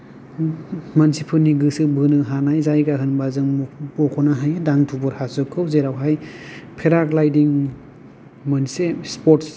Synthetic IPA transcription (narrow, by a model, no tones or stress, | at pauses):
mansipʰɯniɡɯsɯbɯnɯɦanajzajɡaɦʰɯnbazɯŋpɔkʰɔnaɦajdaŋtʰubɔɾhazɯkʰːɯwzeɾawɦajpʰeɾaklajdiŋ | mɯnsespɔts